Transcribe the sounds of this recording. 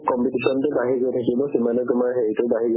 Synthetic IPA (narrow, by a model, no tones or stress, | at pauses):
kɔmpitisɔntʊbaɦiɡojtʰakibɔsimanɔkʊmaɹɦeitʊbaɦiɡ